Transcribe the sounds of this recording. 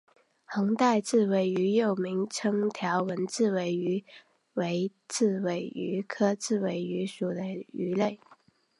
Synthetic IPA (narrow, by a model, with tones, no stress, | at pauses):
hɤ˧˥ŋt̪a˥˧ɪt͡sɹ̩˥˩we˧˥ɪy˧˥jo˥˩ʊmi˧˥ŋʈ͡ʂʰɤ˥ŋt̪ʰjɑ˧˥ʊwə˧˥nt͡sɹ̩˥˩we˧˥ɪy˧˥ | we˧˥ɪt͡sɹ̩˥˩we˧˩ɪy˧˥kʰɤ˥t͡sɹ̩˥˩we˧˥ɪy˧˥ʂu˨˩d̪ə˦y˧˥le˥˩ɪ